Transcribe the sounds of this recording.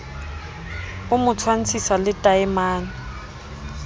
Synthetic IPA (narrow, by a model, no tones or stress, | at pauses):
ʊmʊt͡sʰwan̩t͡sʰisalɪtʼaɪmaːn̩